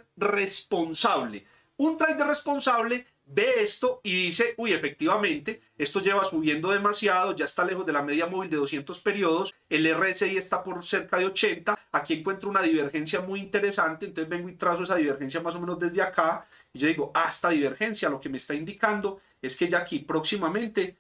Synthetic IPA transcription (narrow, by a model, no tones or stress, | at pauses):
respo̞nsaβle | unt̪ɾajd̪ere̞spo̞nsaβle̞ | be̞est̪o̞iðise̞uje̞fek̚t̪iβamẽ̞nt̪e̞ | e̞st̪od͡ʒe̞βasuβje̞nd̪o̞ðe̞masjaðo̞d͡ʒaest̪ale̞xo̞zd̪e̞lame̞ðjamo̞βild̪e̞ð̞osje̞nt̪o̞spe̞ɾjo̞ðose̞lereeseie̞st̪apo̞ɾse̞ɾkaðeo̞t͡ʃe̞nt̪aːkieŋkwe̞nt̪ɾounaðiβe̞ɾxe̞ns̬jamujint̪e̞ɾe̞sant̪e̞nt̪osezbe̞ŋɡoit̪ɾas̬o̞e̞saðiβeɾxe̞ns̬jamas̬o̞me̞nozd̪ezd̪eaka | id͡ʒoðiɡoast̪aðiβe̞ɾxe̞nsjalo̞ke̞meːst̪aind̪ikand̪o̞ | e̞ske̞d͡ʒakipɾo̞ksimamẽ̞nt̪e̞